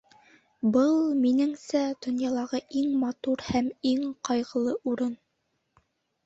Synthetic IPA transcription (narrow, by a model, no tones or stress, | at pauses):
bɤlˠminɘŋsæd̪̥ŏnjɑlˠɑʁɤʔiŋmɑt̪uɾhæmiŋqɑjʁɤ̆lˠɤʔuɾɤn